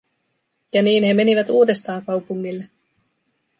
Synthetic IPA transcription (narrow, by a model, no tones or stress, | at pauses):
jɑniːnɦe̞me̞niʋæt̪uːde̞st̪ɑːŋkɑwpuŋːilːe